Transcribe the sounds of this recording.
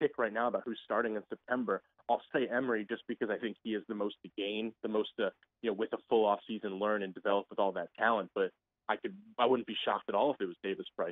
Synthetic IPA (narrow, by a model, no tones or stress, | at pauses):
tʰɪkʰɹaɪtⁿnaʊəbaʊt̚hʉz̥stɑɹɾɪ̃ŋɨ̃nsɨp̚tʰɛ̃mbə˞ | aɪlˠseɪʔɛ̃mə˞id͡ʒʌsb̥ɨkʰʌzaɪθɪ̃ŋkhiɨzðɨmoʊstɨɡ̥ẽɪ̃nðɨmoʊstɨ | jɨnoʊwɨðəfʊlˠɔfsizɨ̃nlɜ̃˞nɨ̃ndɨvɛlˠəp̚wəðɔlˠðɨt̚tʰælˠə̃n̚b̥ʌɾ | ʔaɪkɨd̚aɪwʊdⁿn̩b̥iʃɑ̰k̚tɨɾɔlˠəfɨt̚wʌzdeɪvɨspʰɹ̥aɪ